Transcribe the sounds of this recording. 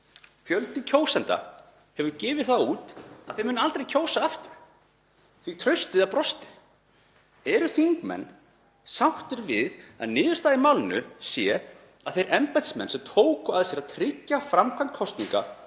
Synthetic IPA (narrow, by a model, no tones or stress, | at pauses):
fjœlt̪ɪcʰoːwsant̪a̰ | hɛvʏɾcɪːvɪðθauːt̪aðθejmʏːnalt̪ɾejcʰoːwsaaft̪ʏɾ̥ | θit̪ʰɾœɥst̪ɪðaðpɾɔst̪ɪð̥ | ɛɾʏθiŋkmɛ̰nː | sawht̪ɪɾvɪða̰ðnɪːðʏ̥ɾst̪aːðɪmawlɪnʏsjɛ | a̰ðθejɾʔɛmpajt̪smɛnsɛmt̪ʰoːwkʏaðsjɛɾat̪ʰɾɪcːafɾamkʰant̪̚kʰɔst̪niŋka̰